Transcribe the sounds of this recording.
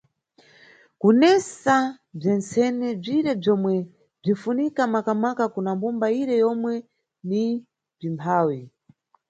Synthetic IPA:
kunɛsa | b͡ʐɛnt͡sɛnɛb͡ʐiɾɛb͡ʐɔmwɛ | b͡ʐifunikamakamakakunambumbaiɾɛjɔmwɛ | ni | b͡ʐimpʰaːwi

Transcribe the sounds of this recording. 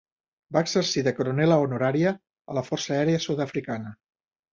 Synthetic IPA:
baəɡzərsiðəkɾunɛləonuɾaɾiəː | ləfɔrsəɛɾeəsut̪əfɾikanə

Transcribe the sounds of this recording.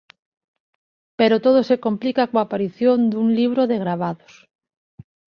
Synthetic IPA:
peɾot̪oðosekomplikakoapaɾiθjond̪uŋliβ̞ɾoðeɣɾaβaðo̥s

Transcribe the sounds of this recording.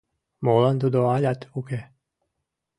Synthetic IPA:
moland̪ud̪oaʎʲat̪uke

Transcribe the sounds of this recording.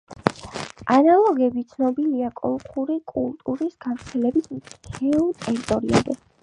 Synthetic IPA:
analˠɔɡɛbit̪sʰnɔbiliakʼɔ̰lˠqʼuɾikʼulˠt̪ʼuɾisɡavɾt̪sʰɛlɛbismt̪ʰɛult̪ʼɛɾit̪ʼɔɾia̰zɛ

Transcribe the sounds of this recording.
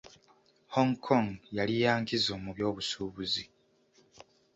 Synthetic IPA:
hoŋkʰːoŋjalijaːŋkizo̞ːmuβjo̞ːβusuːβuzi

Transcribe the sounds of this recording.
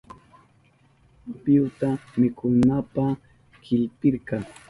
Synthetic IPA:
pɪwt̪amɪkʊnapa | kʰɪʎpɪɾkɑ

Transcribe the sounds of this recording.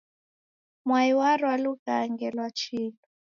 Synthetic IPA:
mwaiwaɾwaluɣaːŋɡɛlwat͡ʃilɔ

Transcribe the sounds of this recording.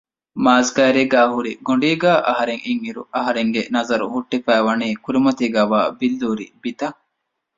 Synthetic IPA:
maːzɡaːɾeɡæːɦuɾiɡoɳɖiːɡæːʔɐɦɐɾeŋʔiŋiɾṵʔɐɦɐɾeŋɡenɐzɐɾṵhuʈːifæːʋɐniːkuɾimɐt̪iːɡæːʋa̰ːbilːuːɾḭbit̪ɐ

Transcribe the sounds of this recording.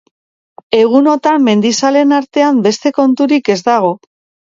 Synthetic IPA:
e̞ɣ̞uno̞t̪amːe̞nd̪isale̞naɾt̪e̞ambe̞st̪e̞ko̞nt̪uɾike̞zd̪aɣ̞o̞

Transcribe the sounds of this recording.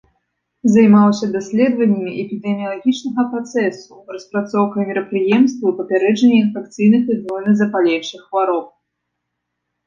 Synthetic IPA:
zajmalˠɐsʲɐd̪asʲlʲɛd̪vɐnʲːɐmʲiʔɛpʲid̪ɛmʲijɐlˠaɣʲit͡ʂnɐɣɐpɾat̪sɛsurɐspɾat̪sɔwkɐjmʲiɾɐpɾɨjɛmst̪vɐipɐpʲaɾɛd͡ʐɐnʲːɐinfɛk̚t̪sɨjnɐpɨznɔjnɨzɐpalʲɛwʂɨxvaɾɔp̚

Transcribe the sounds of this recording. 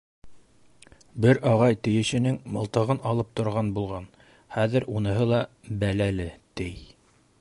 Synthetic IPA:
bɘɾʔɑʁɑjt̪ɘ̆jɘ̆ʃɘ̆nɘŋmɤ̆lˠt̪ɤ̆ʁɤnɑlˠɤp̚t̪ŏɾʁɑnbulˠʁɑn | χæðɘɾʔunɤ̆ɦɤlˠɑbælælɘt̪ɘj

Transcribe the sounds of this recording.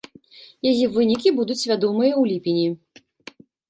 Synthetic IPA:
jajivɨnʲikʲibud̪ut͡sʲvʲad̪ɔmɨjɐwlʲipʲinʲi

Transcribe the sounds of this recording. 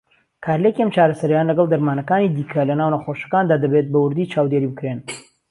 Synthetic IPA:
kʰaːɾlekiʔɐmt͡ʃaːɾɐsɐɾjanlɐɡɐld̪ɐɾmaːnɐkaːnid̪iːkʰɐlɐnaːwnɐχoʃɐ̥kaːnd̪aːd̪ɐbet̪̚bɐwʊɾd̪iːt͡ʃʰaːwd̪eɾibɨkɾen

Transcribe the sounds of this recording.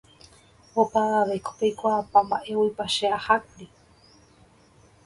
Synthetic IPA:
opaʋaʋeko̥pejkʷapãmbaʔe̞wipaʃeahakɾi

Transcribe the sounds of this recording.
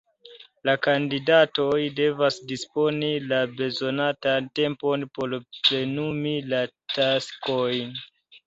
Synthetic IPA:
lakandidato̞jde̞vasdispo̞nilabe̞zo̞natante̞mpo̞npo̞ɾple̞numilatasko̞jn

